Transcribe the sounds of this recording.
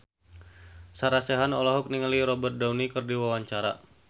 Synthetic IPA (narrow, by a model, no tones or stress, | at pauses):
saɾasɛɦanɔlɔɦɔk̚niŋəliɾɔbərt̪̚daunikɨrdiwawaɲt͡ʃaɾa̰